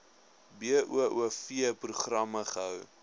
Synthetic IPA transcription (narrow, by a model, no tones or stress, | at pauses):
biəʔuəʔuəfiəpruχrɐməχəɦəw